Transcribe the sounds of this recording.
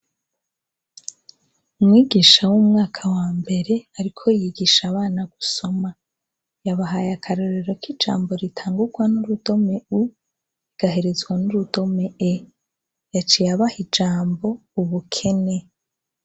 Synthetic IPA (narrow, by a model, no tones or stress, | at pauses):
umŋiːɡiʃawumŋaːkʰawaːmbe̞ɾe̞aɾikʰo̞jiɡiʃaβaːnaɡ̥uso̞ma | jaβaɦajakʰaɾoɾeɾo̞kid͡ʒa̰ːmbo̞ɾitʰaːŋɡuɡwanuɾudo̞me̞u | iɡ̥aɦe̞ɾe̞zɡwanuɾudo̞me̞e | jat͡ʃijaβahid͡ʒaːmbo̞uβukʰe̞ne